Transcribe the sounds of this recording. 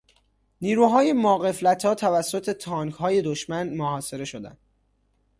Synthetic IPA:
niːɾuːɦɒːje̞mɒːɣe̞flæt̪ʰɒːt̪ʰævæsːot̪ʰe̞t̪ʰɒːŋkɦɒːje̞d̪oʃmænmohɒːse̞ɾe̞ʃo̞d̪æ̰nd̪̥

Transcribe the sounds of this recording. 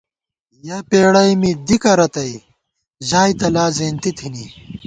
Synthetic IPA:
jɐpeːɽɐjmid̪ikɐɾɐt̪ɐi | ʑaːjt̪ɐlaːzeːnt̪it̪ʰini

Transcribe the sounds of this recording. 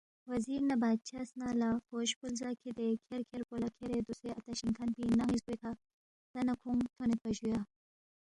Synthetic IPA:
wɐziɾnabad̪̚t͡ʃʰasnalaxoʃkulzakʰid̪ekʰeɾkʰeɾkolakʰeɾed̪useat̪aʃiŋkʰanpinaŋizbekʰa | t̪anakʰuŋt̪ʰonepɐʒuja

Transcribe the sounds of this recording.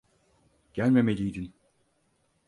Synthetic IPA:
ɟ̥ælʲmemelʲijd̪in

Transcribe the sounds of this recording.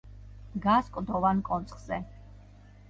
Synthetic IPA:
ɡaskʼd̪ɔvankʼɔnt̪sʰʼχz̥ɛ

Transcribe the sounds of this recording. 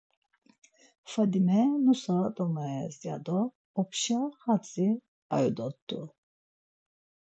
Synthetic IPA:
fad̪imɛmusad̪ɔnaɛzija̰d̪ɔː | pʃaχat͡sʼi | a̰jud̪ɔt̪ːṵ

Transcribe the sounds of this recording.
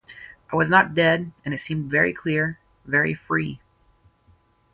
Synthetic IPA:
ʔaɪwʌznət̚d̥ɛɾɨ̃nɨtsĩmdvɛɹikʰl̥ɪɹ | vɛɹḭfɹi

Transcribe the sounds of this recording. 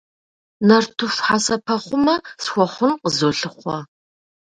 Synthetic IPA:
nɐrtʰʊfħasɐpʰɐχʷʊmɐsxʷɔχʷʊnqəzoɬɨχʷɔ

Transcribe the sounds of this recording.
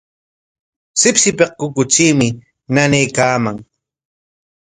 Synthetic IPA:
sɪpsɪpeq̚kʊkʊt͡ʃiːmɪ | nanejkaːmaŋ

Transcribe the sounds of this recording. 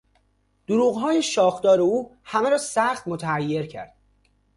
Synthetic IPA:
d̪̥oɾuːɣɦɒːjeʃɒːxd̪ɒːɾe̞uːhæmeɾɒːsæxt̪mot̪ʰææjːe̞ɾcʰæ̰ɾd̪̥

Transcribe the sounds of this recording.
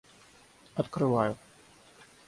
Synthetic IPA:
ɐt̪kɾɨvaju

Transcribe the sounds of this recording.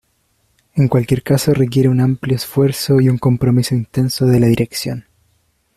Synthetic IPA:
e̞ŋkwalkje̞ɾkaso̞rek̬je̞ɾeunampljoesfwe̞ɾso̞iuŋko̞mpɾo̞miso̞int̪e̞nsoðe̞laðiɾe̞ksjo̞n

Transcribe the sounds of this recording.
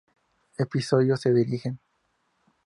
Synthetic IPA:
episoðjoseðiɾixen

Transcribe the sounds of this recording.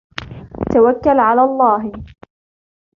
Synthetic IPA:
t̪awakːalʕalaːlˤːɑːɦɪ

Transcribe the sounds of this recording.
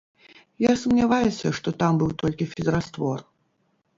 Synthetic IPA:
jasɐmnʲavajɛsʲɐʂt̪ɔt̪ambɨwt̪ɔlʲkʲifʲizɾast̪vɔr

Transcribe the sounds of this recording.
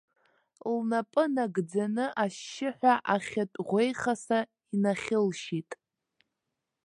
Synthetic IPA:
lnapʼɨnaɡd͡zanɨʔaʃːɪħʷᶣaʔaχʲatʼʁʷejχasa | inaχʲɪlʃitʼ

